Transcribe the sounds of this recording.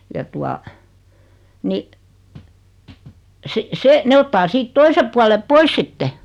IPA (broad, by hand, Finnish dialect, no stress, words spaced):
jɑ tuɑ ni si se ne otːɑː siːt toise puɑle pois sitːe